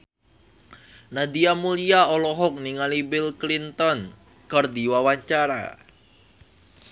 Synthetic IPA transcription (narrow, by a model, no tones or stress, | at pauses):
nad̪iamuliaɔlɔɦɔk̚niŋalibilklint̪ɔn | kərd̪iwawaɲt͡ʃaɾa̰